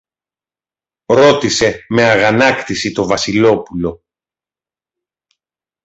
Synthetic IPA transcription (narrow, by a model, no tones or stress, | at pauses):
ɾo̞t̪ise̞me̞ɐɣɐnɐkt̪isit̪o̞vɐsilo̞pulo̞